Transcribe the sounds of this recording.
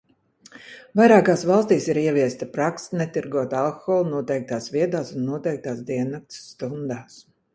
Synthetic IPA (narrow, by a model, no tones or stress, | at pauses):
vajɾaːkaːsvɑlˠst̪iːsiɾiɛviɛst̪apɾaksnɛt̪iɾɡuɔt̪alˠkxɔlˠnuɔt̪ɛjk̚t̪aːsviɛd̪aːsunːuɔt̪ɛjk̚t̪aːsd̪iɛnːak̚t̪sːt̪und̪aːs